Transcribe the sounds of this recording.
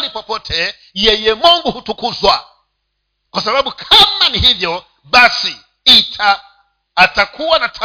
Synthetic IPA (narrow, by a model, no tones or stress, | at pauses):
lipɔpɔtʰɛ | jɛjɛmɔŋɡuhutukuzwa | kwasaɓaɓukʰamanihivjɔ | ɓasi | itʰaː | takuwanatʰa